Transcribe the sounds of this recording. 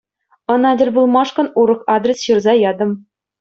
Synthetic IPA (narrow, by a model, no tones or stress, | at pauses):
ɤ̆nɑdʲɘ̆lʲbulˠmɑʂkɤ̆nuɾɤ̆χɑd̪rʲesɕɤrzɑjɑd̪ɤ̆m